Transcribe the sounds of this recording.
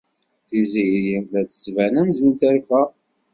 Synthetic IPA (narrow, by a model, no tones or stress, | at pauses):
θizijɾjimðæθə̥svænænzunt̪æɾfæ